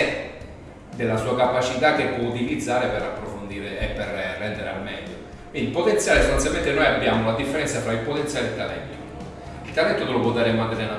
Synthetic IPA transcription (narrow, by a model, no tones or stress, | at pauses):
d̪elːasuːakapat͡ʃit̪akːepːwɔut̪ilid̪zːaːɾepeɾapːɾofond̪iːɾeɛpːerrːɛnd̪eɾea̰lmɛʎːo | kwind̪ilpːot̪ent̪sjaːlesolansament̪enojabːjaːmolad̪ifːeɾɛnsafɾailpot̪entsjaːlet̪ːalɛ̰t̪ːo | ilt̪ːalɛt̪ːot̪elopwɔd̪ːaɾemoad̪ːelena